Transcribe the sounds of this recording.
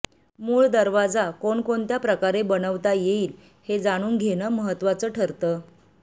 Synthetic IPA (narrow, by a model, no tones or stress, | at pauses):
muːɭd̪əɾʋad͡zakoɳkoɳt̪japɾəkaɾebənəʋt̪ajeiːl | hed͡zaɽ̃uːnɡʱeñəːməɦət̪ːʋat͡səːʈʰəɾt̪əː